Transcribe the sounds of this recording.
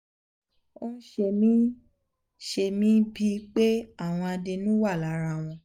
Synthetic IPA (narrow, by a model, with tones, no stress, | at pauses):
o˦n̩˦ʃe˧mĩ˦ | ʃe˧mĩ˦bi˧k͡pe˦a˦˨w̃ɔ̃˧a˧de˧nũ˦wa˦˨la˨˦ɾa˧˨w̃ɔ̃˧